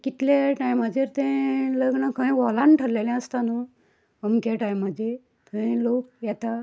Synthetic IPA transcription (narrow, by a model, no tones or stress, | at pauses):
kit̪leʈajmad͡ʑʱeɾt̪ẽləɡɳəkʰə̃ĩʋɔlanʈʰəlːelɛ̃əst̪anu | əmkeʈajmːəd̪ʱe | t̪əĩlok̚jɛt̪a